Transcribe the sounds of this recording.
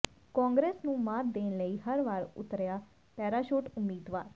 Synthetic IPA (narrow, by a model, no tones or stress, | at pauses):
kãːŋɡɾeːsnũːmaːt̪̚d̪eːnləiːɦəɾʋaːɾʊ̰t̪ɾjaː | pɛːɾaːʃoːʈʊmːiːd̪ʋaːɾ